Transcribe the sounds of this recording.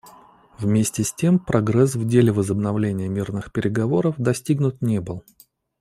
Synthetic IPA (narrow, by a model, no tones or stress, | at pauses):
vmʲesʲtʲɪsʲtʲe̞mpɾʔɐɡɾɛs̬vdʲelʲɪvəzəbnɐvlʲenʲɪjəmʲirnɨxpʲɪɾʲɪɡɐvo̞ɾəfd̪ɐsʲtʲiɡnʊt̪nʲebɨlˠ